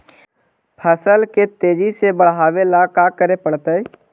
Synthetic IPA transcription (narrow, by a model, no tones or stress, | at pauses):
pʰəsəlket̪eːd͡ʒisebəɽ̤ɦaːʋelakakəɾepəɽt̪əɛ